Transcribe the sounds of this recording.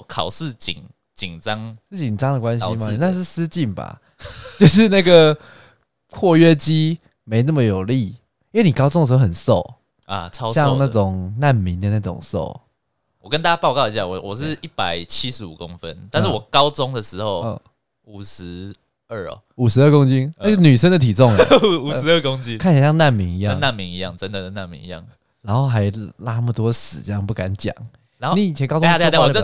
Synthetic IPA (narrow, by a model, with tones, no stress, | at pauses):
kʰɑ˨˩ʊʂ̩˥˨t͡ɕi˨˩ŋ | t͡ɕi˨˩ŋʈ͡ʂɑ˦ŋ̩˥˩t͡ɕi˨˩ŋʈ͡ʂɑ˦ŋd̪ə˨kwa˦nɕma˧i˦na˥˧ʂ̬ɻ̩˥˩˨s̩˥˦t͡ɕi˥˩nba̰˨˩ | t͡ɕjo˥˧ʊʂ̬ɻ̩˥˧na˥˩ɡə˩ | pʰwɔ˥˩˧ɥɛ˥t͡ɕi˦˥ | me˧˦ɪna˥˩mə˨˩jo˨˩ʊli˥˩ | ĩ˥we˥˩ni˨kɑ˥ʊo˥ŋdə˨ʂ̬̩˧xo˥˧xə˨˩nso˥˨˩ʊ | a̰˨ɑ˦ʊjɑ˥˧ŋna˥˩ʈ͡ʂʊ˨˩ŋna˥˨nmi˨˦nd̪ə˨na˥˩ʈ͡ʂʊ̰˨˩ŋso̰˥˩ʊ | wɔ˨˩kə˦nt̪a˥˧˩ja˥pɑ˥˧ʊkɑ˥˧ʊi˧˦ɕja˥˩˨wɔ˨˩ʂ̬ɻ̩˥˨i˥˩pa˨˩ɪt͡ɕʰi˦˥ʂɻ̩˧˦˥ṵ˨˩ko˦˥ŋfə˦nt̪a˥˧nʂɻ̩˥˩wɔ˨˩kɑ˦˥ʊt͡sʊ˦ŋd̪ə˨ʂɻ̩˧˦xo˥˨ʊ˧˩ | u˨˩ʂɻ̩˧˦ | ə˥˩ɔ̰˨˩u˨˩ʂɻ̩˧˦ə˥˩kʊ˥ŋt͡ɕi˦˥n˥˧˥ny˨˩ʂ̬ə˥˦nd̪ə˨t̪ʰi˨˩t͡sɔ˥˨ŋ˦u˨˩ʂ̩˧˦ə˥˧kʊ˦ŋt͡ɕi˦kʰa˥˩nt͡ɕʰːjna˥˨nmi˨˥ŋi˧˥jɑ˥˧˨ŋ˧na˥˩nmi˨˥ŋi˧˦jɑ̰˥˨ŋʈ͡ʂə˦nd̪ə˨˩na˥˩nmḭ˧˥ŋi˧jɑ̰˥˩ŋ | la˧˦nxo˥˩ʊxa˧˥ɪla˥mə˨t̪wɔ˥sɹ̩˨˩t͡ɕjŋpu˥˩ka˧˦nt͡ɕjɑ̰˨˩˦ŋ | a˦˧ni˨˥i˨˩t͡ɕʰjɛ˧˦nkɑ˥ʈ͡ʂ